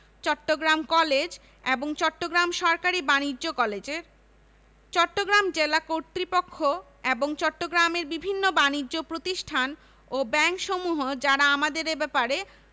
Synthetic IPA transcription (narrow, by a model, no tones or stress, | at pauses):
t͡ɕɔʈːoɡɾamkɔled͡ʑ | eboŋt͡ɕɔʈːoɡɾamʃɔɾkaɾibaniːokɔled͡ʑeɾ | t͡ɕɔʈːoɡɾamd͡ʑelakoɾt̪ɾipokʰːo | eboŋt͡ɕɔʈːoɡɾameɾbibʱinːobanid͡ʑːopɾot̪iʃʈʰan | obɛŋkʃomuɦod͡ʑaɾaamad̪eɾebɛpaɾe